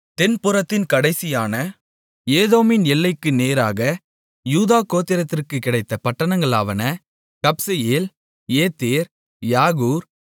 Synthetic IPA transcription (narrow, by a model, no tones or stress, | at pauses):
t̪ɛnpʊɾɐt̪ːɪnkɐɽɐɪsɪjaːnɐ | eːðoːmɪnɛlːɐɪkːɯneːɾaːɣɐ | juːðaːkoːt̪ːɪɾɐt̪ːɪrkɯkːɪɽɐɪt̪ːɐpɐʈːɐnɐŋɡɐɭaːʋɐnɐ | kɐpsɐjeːl | eːt̪ːeːɾ | jaːɣuːɾ